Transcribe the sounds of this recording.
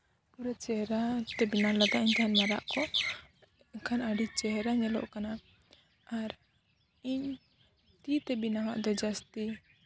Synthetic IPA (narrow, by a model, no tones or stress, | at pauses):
kuɾat͡ʃɛɦɾat̪ɛbinalad̪aʔiɲt̪aɦanmaɾa̰ʔkɔ | ɛkʰanaɖit͡ʃɛɦɾaɲɛlɔ̰ʔkana | aɾ | iɲ | t̪it̪ɛbinama̰ʔd̪ɔd͡ʒast̪i